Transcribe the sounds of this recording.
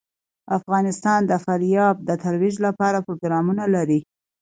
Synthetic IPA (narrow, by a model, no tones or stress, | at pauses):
afɣɑnɪst̪ɑnd̪əfaɾjɑb̚d̪ət̪alwiʒlapɑɾapɾoɡɾɑmunalaɾi